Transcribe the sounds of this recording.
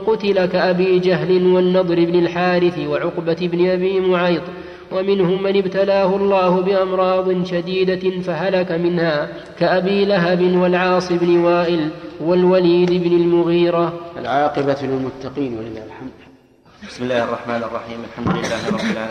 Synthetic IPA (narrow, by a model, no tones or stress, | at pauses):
qʊt̪ɪlakaʔabiːd͡ʒaɦlɪnwanːɑd̪ˤɾɪbnalħaːɾɪθɪwaʕʊqbaɪbnɪʔabiːmʊʕɑjd̪ˤ | wamɪnhʊmːanɪbt̪alaːhʊɑlˤːɑːhʊbɪʔamɾˤɑːd̪ˤɪnʃad̪iːd̪afaɦalakamɪnhaː | kaʔabiːlaɦabɪnwalʕɑːsˤɪbnɪwaːʔɪlwalwaliːd̪ɪbnɪlmʊɣiːɾaʔa̰lʕɑːqɪbalɪlmʊt̪ːɑqiːnwalɪlːaːhlħamd̪ | bɪ̥smɪlːaːhɑrˤːɑħmaːnɑrˤːɑħiːmalħamd̪ʊlɪlːaːhɾˤɑbʕa